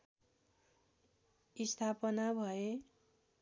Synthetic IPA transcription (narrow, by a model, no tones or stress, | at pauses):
ist̪ʰapʌnabʱʌe